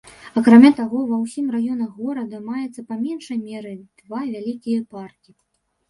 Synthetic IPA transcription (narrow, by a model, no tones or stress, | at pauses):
ɐkɾamʲat̪aɣɔvɐwsʲimrajɔnɐɣɔɾɐd̪ɐmajɛt̪sːɐpamʲɛnʂɐjmʲɛɾɨd̪̥vavʲalʲikʲijɐparkʲi